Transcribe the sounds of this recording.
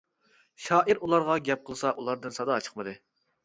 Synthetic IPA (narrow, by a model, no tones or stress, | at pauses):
ʃɑːʔiɾulˠɑɾʁɑɡʲɛp̚qʰəlˠsɑʔulˠɑɾd̪ɨnsɑd̪ɑːt͡ʃʰə̥qmɨd̪ɨ